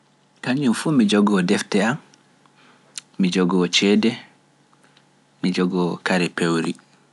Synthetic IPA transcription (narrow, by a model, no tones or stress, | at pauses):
kaɲumfumid͡ʒɔɡɔdɛftɛam | mid͡ʒɔɡɔt͡ʃɛːdɛ | mid͡ʒɔɡɔkaɾɛpewɾi